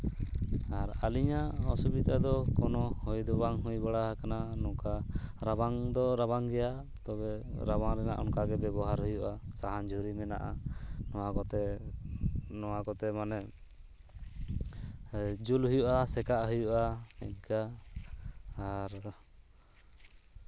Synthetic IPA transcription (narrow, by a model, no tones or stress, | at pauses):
aɾaliɲaɔsubid̪ad̪ɔkɔnɔhujd̪ɔbaŋɦujbaɽaɦakananɔkaɾabaŋd̪ɔɾaβaŋɡɛja | t̪ɔbɛɾabaŋɾɛna̰ʔɔ̰nkaɡɛbɛbɔɦaɾɦujuʔasaɦand͡ʒuɾimɛna̰ʔa̰nɔwakɔt̪ɛ | nɔwakɔt̪ɛmanɛ | d͡ʒulɦujuʔasɛkaʔɦujuʔaiɲka | ɾ